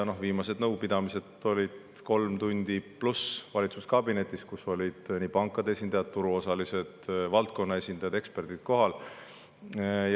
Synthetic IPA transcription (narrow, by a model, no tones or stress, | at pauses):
no̞viːmɑse̞d̪nɤwpid̪̥ɑmise̞d̪o̞lʲid̪̥ | ko̞lmt̪unʲd̪̥iplusvɑlʲit̪suskɑbine̞t̪ːˑiskuso̞lʲid̪̥niːpɑŋkːˑɑd̪ee̞sʲind̪̥ɑjɑt̪̚t̪uɾuo̞sɑlise̞d̪̥vɑlt̪̚ko̞nːɑe̞sʲind̪̥ɑjɑd̪e̞kspe̞rd̪̥it̪̚ko̞ɦɑl | j